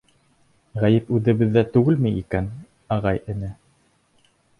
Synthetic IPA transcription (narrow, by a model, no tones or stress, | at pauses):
ʁæjɘpʉðɘ̆βɘ̆ðːæt̪ʉɡɘlmijikæn | ɑʁɑjɘ̆nɘ